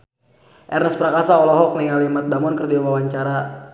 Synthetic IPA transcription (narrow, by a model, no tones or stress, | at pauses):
ʔɛrnəspəɾakasaɔlɔɦɔk̚niŋalimat̪̚damɔnkərdiwamawaɲt͡ʃaɾa